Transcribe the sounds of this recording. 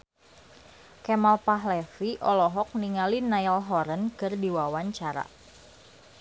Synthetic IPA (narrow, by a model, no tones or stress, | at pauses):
kɛmalpaɦlɛfiʔɔlɔɦɔk̚niŋalinajalɦɔɾənkərdiwawaɲt͡ʃaɾa̰